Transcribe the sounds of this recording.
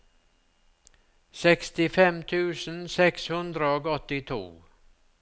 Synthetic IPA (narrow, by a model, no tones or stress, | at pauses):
sɛkst̪ɪfɛmt̪ʰʉːsn̩sɛkshɵnd̪ɾəoːɡɔt̪ɪt̪ʰṵː